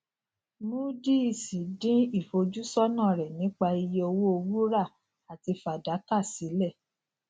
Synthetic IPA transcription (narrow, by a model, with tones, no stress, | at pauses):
mũ˦di˦i˧˨si˨dĩ˦i˦˨fo˧d͡ʒu˦sɔ˦nã˦˨ɾɛ˨nĩ˨˦k͡pa˧i˧je˧o˧wo˦o˧wu˦ɾa˦˨ | a˨ti˧fa˨da˨˦ka˦˨si˨˦lɛ˦˨